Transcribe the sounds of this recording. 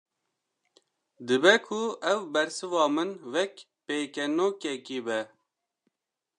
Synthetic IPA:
d̪ɨbɛkʰuɛwbɛɾsɨvɑːmɨnwɛk | peːkɛnoːkɛkiːbɛ

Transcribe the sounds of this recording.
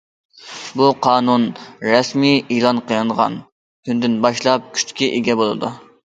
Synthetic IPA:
buqʰɑːnunɾɛsmijilˠɑnqʰəjɑnʁɑ̰n | kʰʲynd̪ɪnbɑʃlˠɑp̚kʲʰy̥t͡ʃ̪ʰkʲiʔeɡʲɛbolˠɨ̰d̪ṵ

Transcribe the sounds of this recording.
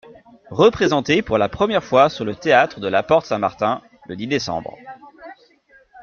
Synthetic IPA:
ʁəpχezɑ̃t̪epuʁlapχəmjɛʁfwasyʁlət̪eat̪χəd̪əlapɔʁt̪sɛ̃ma̰ʁt̪ɛ̃ | lə̰d̪id̪esɑ̰̃bʁ

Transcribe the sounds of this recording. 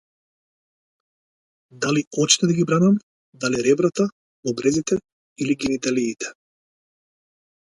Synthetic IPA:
d̪aliɔt͡ʃnɛd̪aɡibɾanam | d̪aliɾɛbɾat̪a | ɔbɾɛzit̪ɛ | iliɡɛnit̪aliːt̪ɛ̥

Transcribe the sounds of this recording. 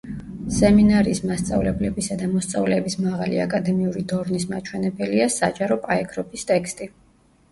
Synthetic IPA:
sɛminaɾiːsmast̪sʼa̰vlɛblɛbisad̪amɔst̪sʼavlɛːbismaʁalḭa̰kʼad̪ɛmiuɾid̪ɔɾnismat͡ʃʰwɛnɛbɛliasa̰d͡ʒaɾɔpʼaɛkʰɾɔpʰist̪ʼɛkst̪ʼi

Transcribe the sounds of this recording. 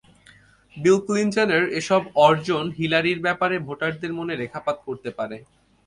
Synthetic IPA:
bilklint͡ɕaneɾeʃɔbɔɾd͡ʑonɦilaɾiɾbɛpaɾebʱoʈaɾd̪eɾmoneɾekʰapat̪̚koɾt̪epaɾe

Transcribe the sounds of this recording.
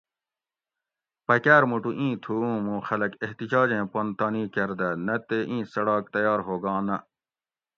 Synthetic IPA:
pɐkæːɾmuʈuʔĩːt̪ʰuũːmũːxɐlɐkeɦt̪id͡ʑaːd͡ʑẽːpɐnt̪aːnĩːkɐɾd̪ɐnɐt̪eʔĩːsɐɽaːk̚t̪ɐjaːɾɦoːɡɑ̃ːnɐ

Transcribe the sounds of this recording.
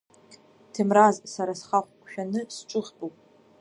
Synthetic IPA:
tʰɨmrazsaɾasχaχʷkʷʰʼʃᶣanɨsʈ͡ʂʷʼɨʁbʼuwpʼ

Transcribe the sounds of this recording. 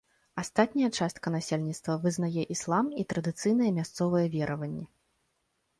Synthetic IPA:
ast̪at̪̚ʲnʲɐjɐt͡ʂast̪kɐn̪asʲelʲnʲit̪st̪vɐvɨzn̪ajɛʔislˠamit̪ɾɐd̪ɨt̪sɨjnɐjɛmʲast̪sɔvɐjɛvʲɛɾʔɐvɐnʲːɛ

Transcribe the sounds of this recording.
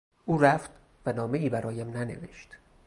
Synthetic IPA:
ʔuːɾæft̪ | vænɒːme̞iːbæɾʔɒːjæmnæne̞̰vḛʃt̪

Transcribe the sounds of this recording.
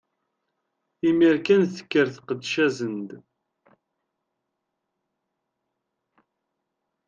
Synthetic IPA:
imiɾkænθə̥kːəɾθqəd̪ʃæzənd̪

